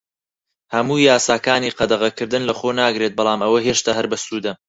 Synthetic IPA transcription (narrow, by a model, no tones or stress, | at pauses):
hɐmuːjaːsaːkaːniːqɐd̪ɐʁɐkɨɾd̪ɨnlɐχoːnaːɡɾet̪̚bɑlˠaːmɐwɐɦeːʃt̪aːɦɐɾbɐst̪uːd̪ɐ